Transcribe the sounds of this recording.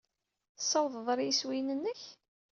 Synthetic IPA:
θsːɑwðˤðˤɾjiswinənːəç

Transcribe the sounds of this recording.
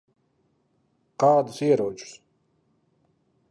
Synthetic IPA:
qaːd̪ziɛɾɔːt͡ʃʼu̥s

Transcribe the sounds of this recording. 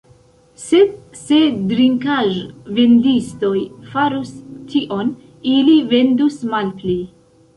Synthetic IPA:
se̞d | se̞dɾiŋkaʒve̞ndisto̞jfaɾustʰiʔo̞n | ilive̞ndusmalpli

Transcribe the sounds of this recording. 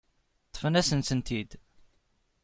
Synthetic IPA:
t̪ˤːə̥fənæsənsənt̪id̪

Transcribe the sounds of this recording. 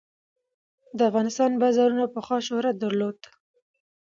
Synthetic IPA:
d̪əafɣɑnɪst̪ɑnbazɑɾunapəxwɑʃohɾad̪əɾlod̪

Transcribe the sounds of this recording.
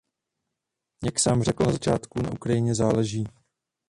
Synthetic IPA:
jaksaːmrɛkl̩nazat͡ʃaːt̪kuna̰ʔukɾajɪɲɛzaːlɛʒiː

